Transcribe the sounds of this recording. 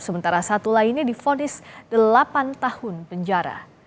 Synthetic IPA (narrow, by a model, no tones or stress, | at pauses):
səmənt̪aɾasat̪ulainjadifonɪsd̥əlapant̪ahʊnpəɲd͡ʒaɾa̰